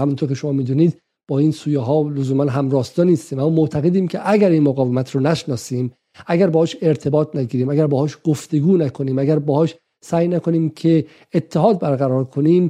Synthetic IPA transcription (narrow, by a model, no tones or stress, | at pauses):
æmunt̪ʰoɾcʰʲe̞ʃo̞mɒːmiːd̪uːniːd̪ | b̥ɒːiːnsuːjɑɦɒːlozuːmænɦæmɾɒːst̪ɒniːst̪iːmæmːɔːmot̪ʰæɣe̞d̪iːmcʰeʔæɡæɾiːnmoɣɒːvemæt̪ʰɾɔːnæʃnɒːsiːm | ʔæɡæɾbɒːhɔːʃe̞ɾt̪ʰe̞bɒːt̪ʰnæɡiːɾiːmæɡæɾbɒːhɒːʃɡ̥oft̪e̞ɡuːnækʰo̞niːmæɡæɾbɒːhɒːʃ | sæːjnækʰo̞niːmcʰe | et̪ʰːeɦɒːd̪̚bæɾɣæɾɒːɾkʰo̞niːm